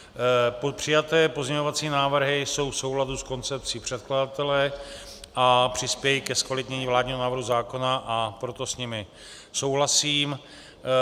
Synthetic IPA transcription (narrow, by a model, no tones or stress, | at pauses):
popr̝̥ɪjat̪ɛːpo̞zɲɛɲo̞vat͡siːnaːvr̩ɦɪso̞wfso̞wladusko̞nt͡sɛp̚t͡siːpr̥ɛt̪kladat̪ɛlɛ | ʔapr̝̥ɪspjɛjikɛskvalɪt̪ɲɛɲiːvlaːd̪ɲiːɦonaːvɾɦuzaːko̞naʔapɾo̞t̪o̞sɲɪmɪ | so̞wɦlasiːm